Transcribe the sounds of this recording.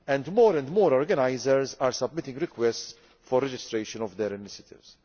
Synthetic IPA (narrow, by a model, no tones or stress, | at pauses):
ɛ̃nd̪moːɾɛ̃nd̪moːɾɔɾɡɐnɐjzɛɾzaːɾsɐbmɪt̪ɪ̃ŋɡɾɪkwɛsts | fɔɾːɛd͡ʒɪst̪ɾɛjʃɔnɔvd̪ɛɾɪnɪʃjɐt̪ɪ̰vs